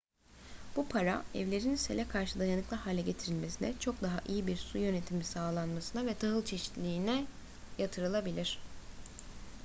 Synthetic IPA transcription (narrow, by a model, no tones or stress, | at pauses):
b̥upʰaɾa̰ɛvlʲeɾinselʲɛkʰaɾʃɯd̪ajanɯklˠaɦaːlʲɛɟe̞t̪ʰiɾilʲme̞sinɛt͡ʃʰo̞k̚d̪aɦa̰ʔijibiɾsujø̞ne̞t̪ʰimisaːlˠanmasɯnavɛt̪ʰaɦɯlˠt͡ʃʰe̞ʃi̥t̪lʲiːnɛ | jat̪ʰɯɾɯlˠabilʲiɾ̝̥